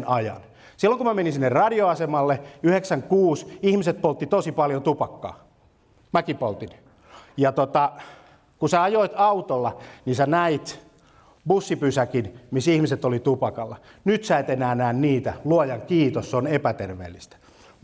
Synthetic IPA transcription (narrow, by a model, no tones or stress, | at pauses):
nɑjɑ̰n | silːoŋkumæmenisinːerɑdioɑsemɑlːeyheksæŋkuːsihmiset̪̚polt̪ːit̪osipɑljot̪upɑkːɑ̰ː | mækipolt̪in | jɑt̪ot̪ɑ | kusæɑjoit̪ɑut̪olːɑnisænæit̪ | busːipysækinmisihmiset̪olit̪upɑkɑlːɑ | nyt̪sæet̪enæːnæːnniːt̪æluojɑŋkiːt̪osseonepæt̪erʋḛːlːist̪æ̥